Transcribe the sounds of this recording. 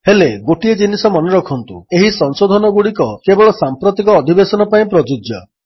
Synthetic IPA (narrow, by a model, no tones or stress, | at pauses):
heleɡoʈied͡ʒinisɔmɔnɔɾɔkʰɔnt̪ueɦisɔŋsod̪ʱɔnɔɡuɽikɔkebɔɭɔsampɾot̪ikɔːd̪ʱibesɔnɔpaĩpɾɔd͡ʒud͡ʒjɔ